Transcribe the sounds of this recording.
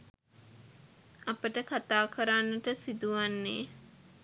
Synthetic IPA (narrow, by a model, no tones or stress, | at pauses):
apəʈəkat̪aːkʰəɾanːəʈəsid̪uʋanːeː